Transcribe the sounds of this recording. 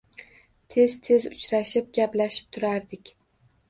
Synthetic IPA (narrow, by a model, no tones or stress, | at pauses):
t̪ʰe̞zt̪ʰe̞zʊt͡ʃɾaʃɪp̚ɡʲaplaʃɪ̥p̚t̪ʰʊɾaɾd̪ɪkʲ